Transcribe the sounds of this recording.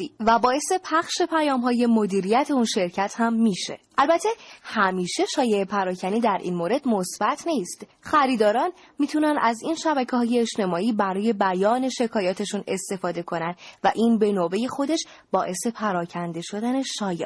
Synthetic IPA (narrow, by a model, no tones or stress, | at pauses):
væbɒːe̞se̞pʰæχʃe̞pʰæjɒːmɦɒːje̞mo̞d̪iːɾijæt̪ʰe̞unʃeɾcʰæt̪ʰhæmːiʃe̞̰ʔælbæt̪ʰːe̞hæmiːʃe̞ʃɒːje̞epʰæɾɒːcʰæniːd̪æɾʔḭːnmoɾe̞d̪mo̞sb̥æt̪ʰniːst̪xæɾiːd̪ɒːɾɒn | miːt̪ʰunænæzinʃæbæcʰehɒːje̞ːʃt̪e̞mɒːiːbæɾɒːje̞bæjɒːne̞ʃe̞kʰɒːjɒːt̪ʰe̞ʃune̞st̪e̞fɒːd̪e̞kʰo̞nænd̪væʔiːnbe̞nobe̞je̞xo̞d̪eʃ | b̥ɒːʔe̞se̞pʰæɾɒːcʰænd̪e̞ʃo̞d̪æne̞ʃɒːje